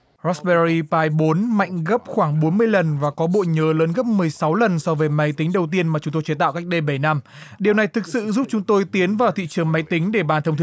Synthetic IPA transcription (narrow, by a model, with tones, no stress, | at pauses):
zɔ˦˥sɓɛ˧zi˧paː˧jɓo˨˦nma̰˧˨jŋ̟ɣə˦˥p̚xwaː˧˩ŋɓo˨˦nmɨ˧əjlə˨˩nvaː˨˩kɔ˨˦ɓo̰˧˨ɲəː˨˦ləː˨˦nɣə˦˥p̚mɨ˨˩əjsa˨˦wlə˨˩nsɔ˧vəː˨˦jma˨˦jt̪i˨˦ŋ̟ɗə˨˩wt̪i˧ənmaː˨˩t͡ɕʊ˨˦ŋ͡mt̪o˧jt͡ɕe˨˧˦t̪a̰ː˧˨wka˦˥jk̚ɗe˧ɓə˧˩jna˧m | ɗi˨˩əwna˨˩jt̪ʰɨ˨˩k̚sɨ̰˧˨zu˦˥p̚t͡ɕʊ˨˦ŋ͡mt̪o˧jt̪i˨˦ənvaː˨˩wt̪ʰḭ˧˨t͡ɕɨ˨˩əŋma˨˦jt̪ï˨˦ŋ̟ɗe˧˩ɓaː˨˩t̪ə˧wŋ͡mt̪ʰ